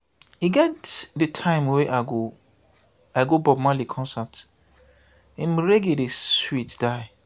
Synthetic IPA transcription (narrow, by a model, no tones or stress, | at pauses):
hiɡɛtdətʰãɪ̃mweʔaɡo | aɪɡobɔbmãlikʰɔ̃nsat | ĩm̩ɾeɡedeswitd̥aɪ